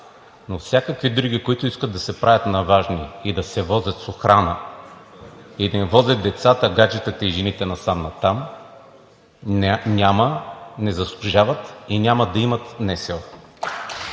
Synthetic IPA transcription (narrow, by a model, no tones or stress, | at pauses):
nofsʲjakəkvid̪ɾuɡikoit̪ʊiskət̪̚d̪ɐsɛpɾʔavʲɐt̪nɐvaʒniid̪ɐsɛvɔzʲɐt̪soxɾanə | id̪ɐivɔzʲɐt̪̚d̪ɛt̪sat̪əɡat͡ʃɛt̪ət̪ɐiʒɛnit̪ɛnɐsamnɐt̪am | nʲamɐnɛzɐslˠʊʒavɐt̪inʲamɐd̪ɐimɐt̪nɛsɛlˠ